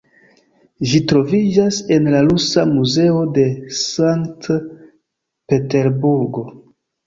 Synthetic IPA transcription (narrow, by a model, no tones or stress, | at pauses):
ʒitɾo̞vid͡ʒase̞nlalusamuze̞o̞de̞saŋkt | pe̞te̞ɾbuɾɡo̞